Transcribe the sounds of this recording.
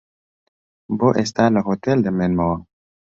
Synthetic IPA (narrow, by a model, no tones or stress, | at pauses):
boʔest̪alɐɦot̪eld̪emenmɐwa